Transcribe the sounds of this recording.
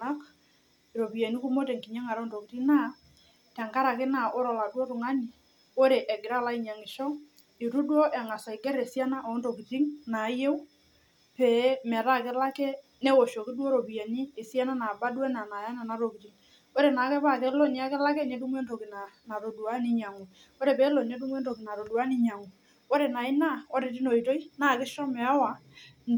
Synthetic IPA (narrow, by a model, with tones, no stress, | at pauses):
na˦k | ɾo˨pi˨a˨ni˦ku˦mo˦te˨ŋki˨ɲɛ˦ŋa˨ɾɔ˦nto˨ki˨ti˦na˦ | tɛ˨ŋka˦ɾa˨kɪ˦na˨o˦ɾɔ˨la˨dwɔ˦tʊ˨ŋa˦ni˨ | o˦ɾe˨ʔɛ˨ɡɪ˨ɾa˦la˦ɪ˨ɲa˨ŋɪ˨ʃɔ˦ | ɪ˨ɾu˦dwɔ˦ʔɛ˨ŋa˨sa˨i˨ɡɛ˦ɾɛ˨sja˦na˦ʔo˨˦nto˨ki˨ti˦ŋna˨˦je˦w | pɛ˨˦mɛ˨ɾa˦˨kɪ˦la˦kɛ˦ | nɛ˦wo˨ʃo˨kɪ˦dwo˦ɾo˨pi˨ja˨ni˦e˨sja˦na˦na˨ba˦dwɛ˦na˨na˨ja˦na˨na˨˦ɾo˨ki˨ti˨ŋ | o˦ɾe˨na˨˦kɛ˦pa˦˨ke˦lo˦ni˦a˦kɪ˦la˦kɛ˦ne˦du˦mwe˦nto˨kɪ˨na˨na˨ɾo˨du˨a˦ni˦ɲa˨ŋu˨ | o˦ɾe˨pɛ˨˦lo˨ne˦du˦mwe˦nto˨kɪ˨na˨ɾo˨dwa˦nɪ˦ɲa˨ŋu˨ | o˦ɾe˨na˨ɪ˦na˦o˦ɾe˨ti˦no˨i˨to˦i˦na˦˨kɪ˦ʃɔ˦mɛ˨a˦wa˨